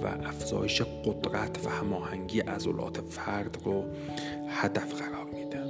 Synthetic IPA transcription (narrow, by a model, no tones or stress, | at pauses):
væ̰ʔæfz̥ɒ̰ːjeʃeɢod̪ɾæt̪ʰvæ̰hæmɒːhæŋɡiːʔæzo̰lʔɒ̰ːt̪ʰefæɾd̪ɾo | hæd̪æfɢæɾɒːɾmiːd̪æn